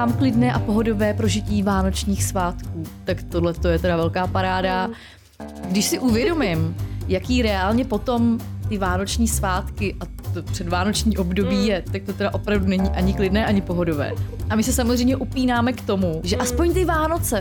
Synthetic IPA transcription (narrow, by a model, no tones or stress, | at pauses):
aːmklɪdnɛːʔapo̞ɦo̞do̞vɛːpɾo̞ʒɪciːvaːno̞t͡ʃɲiːxsvaːt̪kuːt̪akt̪odlɛt̪o̞jɛt̪ɛdavɛlkaːpaɾaːda | ɡdɪʃsɪʔuvjɛdo̞mɪmjakiːɾɛaːlɲɛpo̞t̪o̞mt̪ɪvaːno̞t͡ʃɲiːsvaːt̪kɪʔa | t̪opr̥ɛdvaːno̞t͡ʃɲiːʔo̞bdo̞biːjɛt̪ak̚t̪o̞t̪ɛdaʔo̞pɾavdunɛɲiːʔaɲɪklɪdnɛːʔaɲɪpo̞ɦo̞do̞vɛ̰ːʔamɪsɛsamo̞zɛjmɲɛʔupiːnaːmɛkt̪o̞muʒɛʔaspoɲt̪ɪvaːno̞t͡sɛ